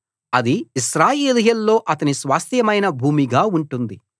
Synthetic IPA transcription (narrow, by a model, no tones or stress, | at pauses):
ɐd̪iiʃɾaːjeːlɐɦjɐlːo̞ːʔɐt̪ɐnisʋaːst̪ʰjɐmɐjnɐbʱuːmiɡaːuɳʈund̪i